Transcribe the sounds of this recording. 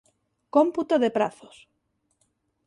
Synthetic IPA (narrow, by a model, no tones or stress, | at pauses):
komput̪oðepɾaθos